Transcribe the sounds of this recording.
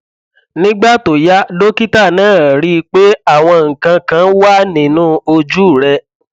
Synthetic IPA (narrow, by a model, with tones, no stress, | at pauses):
nĩ˦ɡ͡ba˦˨to˨ja˦do˦ki˦ta˦˨nãː˦˨ɾi˦˧k͡pe˦a˦˨w̃ɔ̃˧ŋ̩˨kã˧kã˧˦wa˦˨nĩ˨nũ˦o˧d͡ʒu˦˨ɾɛ˧